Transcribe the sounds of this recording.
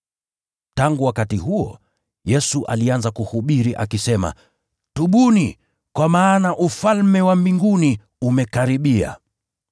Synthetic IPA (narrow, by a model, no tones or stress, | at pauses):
taŋɡuwakatihuɔ̰ | jɛsuʔa̰lianzakuhuɓiɾiʔa̰kisɛma̰ | tuɓuni | kwamaːnaʔufalmɛwambiŋɡuni | umɛkaɾiɓia̰